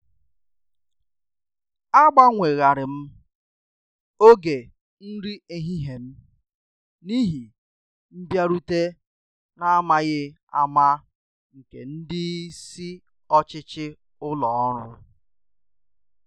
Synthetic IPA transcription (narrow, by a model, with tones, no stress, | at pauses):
a˦ɡ͡ba˦ŋʷe˨ɣa˨ɾɪ˨m̩˦ | o˦ɡe˨ | n̩˦ɾi˦e˨ɦi˦ɦe˨m̩˦ | ni˦ɦi˨ | m̩˦bja˦ɾu˦te˦ | na˦a˦ma˦ɣɪ˦ | a̰˦ma˦ | ŋ̩˨ke˨n̩˦dɪ˦si˦ | ɔ˦t͡ʃɪ˦t͡ʃɪ˦ | ʊ˦lɔ˨ɔ˦ɾʊ˦